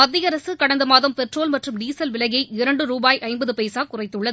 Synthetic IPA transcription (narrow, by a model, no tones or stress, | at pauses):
mɐd̪ːɪjɐɾɐsɯkɐɽɐnd̪ɐmaːðɐmpɛʈroːlmɐʈrɯmɖiːsɐlʋɪlɐɣɐɪɪɾɐɳɖɯɾuːbaːjʔɐɪmbɐðɯpɐjsaːkʊrɐɪt̪ːɯɭːɐðɯ